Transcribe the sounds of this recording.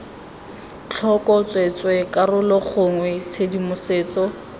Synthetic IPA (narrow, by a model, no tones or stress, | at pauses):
t͡ɬʰɔkʼɔt͡sʼwet͡sʼwɛkʼarʊlɔk͡xʰʊŋwɛt͡sʰedimʊseːt͡sɔ